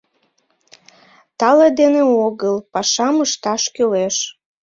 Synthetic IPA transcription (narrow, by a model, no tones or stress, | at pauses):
t̪ɑled̪eneoɣəlpɑʃɑməʃt̪ɑʃkøleʃ